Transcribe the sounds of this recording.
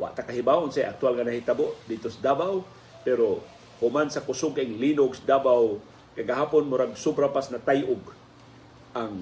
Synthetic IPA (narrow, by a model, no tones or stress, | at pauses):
wa̰ʔt̪akaɦibaʔʊnsajʔa̰k̚t̪ʊalŋanahit̪aboʔd̪ɪt̪osad̪abaw | pɛɾo | hʊmansakʊsʊɡaʔɪŋlinoɡsd̪abaw | kaɡaɦaːpʊnmʊɾaɡsʊbɾapasnat̪ajʔʊɡ | ʔaŋ